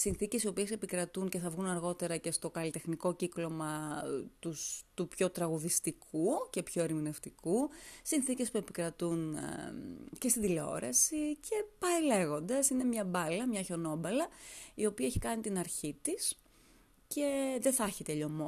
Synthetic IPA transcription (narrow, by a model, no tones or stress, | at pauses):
sinθice̞sio̞pie̞se̞pikɾɐt̪unceθɐvɣunɐɾɣo̞t̪e̞ɾɐce̞st̪o̞kɐlit̪e̞xniko̞ciklo̞mɐt̪ust̪upço̞t̪ɾɐɣuðist̪ikʰuce̞pço̞eɾmine̞ft̪ikusinθice̞spue̞pi̥kɾɐt̪un | ce̞st̪iðileo̞̰ɾɐsicʰe̞pɐele̞ɣo̞nd̪ɐsine̞mɲɐbɐlɐmɲɐço̞no̞bɐlɐio̞piɐeçi̥kɐnit̪inɐɾçit̪is | ce̞ðeθɐçit̪e̞ʎo̞mo